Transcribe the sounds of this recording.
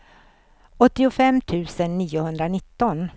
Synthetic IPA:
ɔt̪ːɪʊfɛmːt̪ʰʉ̟ːsənːiːʊhɵnd̪ɾanɪt̪ːɔn

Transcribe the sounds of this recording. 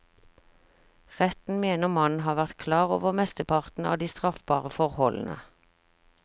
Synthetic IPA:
ʁɛt̪n̩meːnəʁmɑnnɦɑːʋæʁt̪kʰlɑːʁo̰ːʋəʁmɛst̪əpʰɑʁt̪n̩ɑ̰ːd̪iːst̪ʁɑfb̥ɑːʁəfɔʁhɔln̩ʔə̰

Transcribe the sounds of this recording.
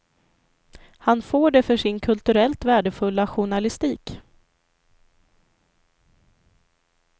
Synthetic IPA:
hanfoːɖɛfœʂɪnkʰɵlt̪ɵɾɛlt̪væːɖəfɵlːaɧʊɳalɪst̪iːk

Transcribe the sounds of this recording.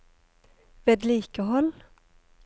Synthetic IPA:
veːd̪liːkəɦɔlː

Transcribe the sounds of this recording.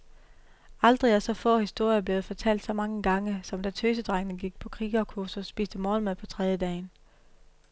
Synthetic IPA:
ɑ̈ld̥ʁiæsɒ̽fɔ̰̽ːhisd̥o̝ɐ̰jɐb̥le̝ːð̩ˠfɒ̽t͡sʰæl̰d̥sɒ̽mɑ̈ŋəɡ̥ɑ̈ŋəsɒ̽md̥æt͡sʰøːsəd̥ʁaŋənəɡ̥iɡ̥̚pʰɒ̽kʰʁiːɡ̥ɒkʰosusb̥ḭːsd̥əmɔːlmepʰɒ̽t͡sʰʁɛðˠjəd̥ɛ̰ːɪn

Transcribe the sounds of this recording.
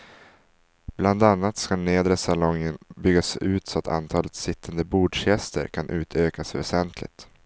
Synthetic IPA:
b̥land̪anːat̪skaneːd̪ɾəsalɔŋːənbʏɡːasʉ̟ːt̪sɔat̪a̰nt̪ʰɑːlət̪sɪt̪ʰːand̪əbuːɖʂjɛst̪ə̰ɾkʰanʔʉ̟ːt̪ʰøːkasvɛ̰sɛnt̪ʰlɪ̰ɡt̪

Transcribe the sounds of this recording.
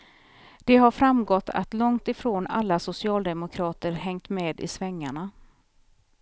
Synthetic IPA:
d̪̥ɛɦaɾfɾamɡɔt̪ːa̰t̪lɔŋt̪ɪfɾoːnalːasʊsɪɑːld̪ɛmʊkʰɾɑːt̪əɾhɛŋt̪meːd̪ɪ̰svɛŋːaɳa

